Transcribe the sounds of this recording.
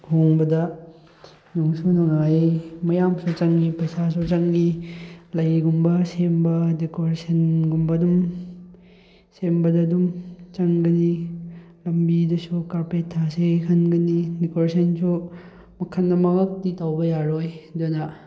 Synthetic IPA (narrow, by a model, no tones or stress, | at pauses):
hʰoŋbɐdɐ | nuŋsunuŋajmɐjamsut͡ʃɐŋɡipɐsasut͡ʃɐŋɡilɐjɡumbɐsembɐdikoɾesenɡumbɐdum | sembɐdɐdumt͡ʃɐŋɡɐni | lɐmbidɐsukaɾpetʰːasekʰɐnɡɐnidikoɾesʰensu | mɐkʰɐnːɐmɐɡɐk̚ditawbɐjaɾojdonɐ